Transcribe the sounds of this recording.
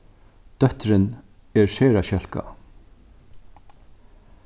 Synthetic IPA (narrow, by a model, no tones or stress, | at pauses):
d̪̥œht̪ɾɪn | ɛɹseːɾaʃɛl̥ka̰